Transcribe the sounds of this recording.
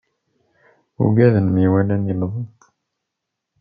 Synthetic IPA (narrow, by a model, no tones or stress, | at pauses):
ṵɡæðənmiwælænjəlðˤənt̪